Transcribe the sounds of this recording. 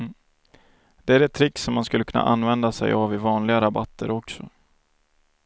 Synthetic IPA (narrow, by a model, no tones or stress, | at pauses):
d̪̥ɛæɾɛt̪ʰːɾɪksɔmːanskɵlːəkʰɵnːa̰ʔanːvɛnd̪asɛ̰javɪvɑːnlɪɡaɾabat̪ʰːəɾɔksɔ